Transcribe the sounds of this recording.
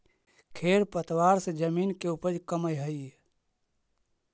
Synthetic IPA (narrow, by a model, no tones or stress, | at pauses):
kʰeɾpət̪waɾsẽd͡ʒəminkeupəɾkəməjɦəi